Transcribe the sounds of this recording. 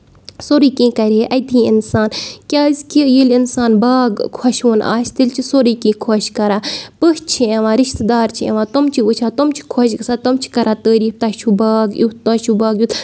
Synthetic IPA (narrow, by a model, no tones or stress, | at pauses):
soɾiːkĩːkɐɾʲeʔɐd̪ʰiːinsaːnkʲaːzkijilinsaːnbaːɡkʰɔʃoːnʔa̰ːst̪ilt͡ʃʰisoɾiːkĩːkʰoʃkɐɾaːpəɦt͡ʃʰieʋãːɾiʃt̪d̪aːɾt͡ʃʰiḛʋãːt̪omt͡ʃʰiut͡ʃʰaːt̪omt͡ʃʰi̥kʰoʃɡsaːt̪ɐmt͡ʃʰi̥kɐɾʔaːt̪əːɾiːft̪ɐt͡ʃʰubaːɡjut̪ɐt͡ʃʰubaːɡjuːt̪